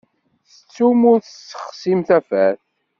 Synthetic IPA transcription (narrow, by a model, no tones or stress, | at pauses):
θət͡sːumʊɾθəsːə̥χsimθæfæθ